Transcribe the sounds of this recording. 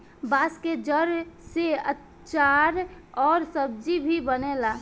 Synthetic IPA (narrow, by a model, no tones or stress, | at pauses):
baːsked͡ʒəɾseət | t͡ʃaɾ | ɔːɾsəb̚d͡ʒibʱibənela